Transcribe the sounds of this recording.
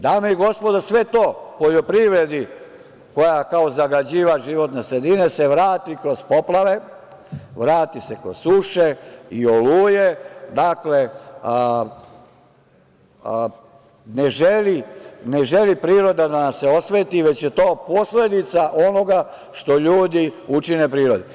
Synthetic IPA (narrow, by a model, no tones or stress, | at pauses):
d̪aːmeiɡo̞spo̞d̪asʋet̪o̞ːpo̞ʎo̞pɾiʋɾed̪i | ko̞jakao̞zaɡad͡ʑiːʋaʒiʋo̞t̪nesɾe̞d̪inese̞ʋɾaːt̪ikɾo̞z̥poplˠaʋe | ʋɾaːt̪isekɾo̰z̥suʃeio̞luːjed̪akle̞ | neʒeline̞ʒe̞lipɾiːɾo̞d̪ad̪anaseo̞sʋeːt̪iʋe̞t͡ɕjet̪o̞ːpo̞sle̞d̪it̪saʔo̞no̞ɡa | ʃt̪o̞ʎuːd̪iut͡ʃine̞pɾiːɾo̞d̪e